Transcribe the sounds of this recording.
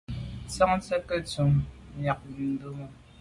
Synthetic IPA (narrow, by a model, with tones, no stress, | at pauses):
t͡sa˦ŋt͡sə˦kə˦t͡su˨˦m˨ja˨k̚n̩˦do˦mə˨